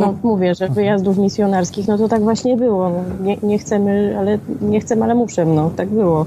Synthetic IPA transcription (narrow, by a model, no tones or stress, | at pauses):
nɔmuvʲjɛʐɛvɘjazd̪ufmʲisʲjɔnaɾskʲixnɔt̪ɔt̪aɡvwaɕɲɛbɘwɔnɔɲɛɲɛxt̪sɛmɘalɛɲɛxt̪sɛmalɛmuʂɛmnɔt̪aɡ̚bɘwɔ